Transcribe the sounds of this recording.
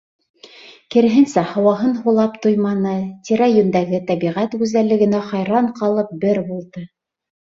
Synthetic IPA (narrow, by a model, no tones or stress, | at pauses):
kɘ̆ɾɘ̆ɦɘ̆nsæhɑwɑɦɤnɦulˠɑpt̪ŏjmɑnɤt̪ʲiɾæjɵ̆nd̪æɡɘt̪æβiʁæt̪ɡʉzælːɘ̆ɡɘ̆næχɑjɾɑɴqɑlˠɤp̚bɘɾbulˠd̪ɤ